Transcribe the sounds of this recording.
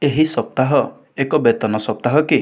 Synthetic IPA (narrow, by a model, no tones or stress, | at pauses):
eɦisɔp̚t̪aɦɔ | ekɔbet̪ɔnɔsɔp̚t̪aɦɔki